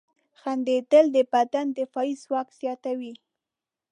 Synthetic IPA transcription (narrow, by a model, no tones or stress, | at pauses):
xand̪et̪əld̪əpat̪and̪ɪfɑiswɑkz̥jɑt̪awi